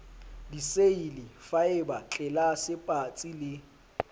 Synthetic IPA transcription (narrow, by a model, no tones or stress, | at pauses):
diseilɪfaɪbat͡ɬʼɪlasɪpʼat͡sʼilɪ